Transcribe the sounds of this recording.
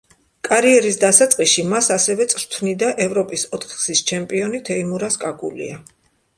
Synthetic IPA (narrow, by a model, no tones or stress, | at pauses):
kʼaɾiɛɾisd̪asat̪sʼqʼiʃimasasɛvɛt̪sʼɾt̪ʰnid̪aʔɛvɾɔpʼisɔt̪ʰχsist͡ʃʰɛmpʼiɔnit̪ʰɛimuɾaskʼakʼṵlḭa